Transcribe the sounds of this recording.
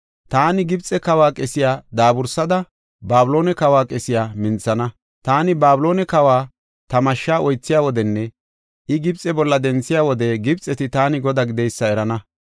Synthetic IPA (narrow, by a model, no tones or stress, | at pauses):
t̪aːnɪɡɪbt͡sʼːɛkɐwaːkʼɛsɪjaːd̪aːbʊɾsɐd̪ɐ | baːblo̞ːnɛkɐwaːkʼɛsɪjaːmɪnt͡sːɐnɐ | t̪aːnɪbaːbʊlo̞ːnɛkɐwaː | t̪ɐmɐʃːaːʔɔjt͡sːɪjaːwɔd̪ɛnːɛ | ʔɪɡɪbt͡sʼɛbɔlːɐd̪ɛnt͡sːɪjaːwɔd̪ɛɡɪbt͡sʼːɛt̪ɪt̪aːnɪɡɔd̪aɡɪd̪ɛjsːɐɛɾɐnɐ